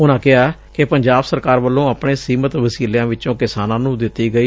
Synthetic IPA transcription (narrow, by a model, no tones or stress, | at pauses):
ʊnãːkɪɦaːkɪpəɲd͡ʒaːbsəɾkaːɾʋəlːõːəpɳeːsiːmət̪ʋəsiːljãːʋɪt͡ʃõːkɪsaːnãːnũːd̪ɪt̪ːiːɡəiː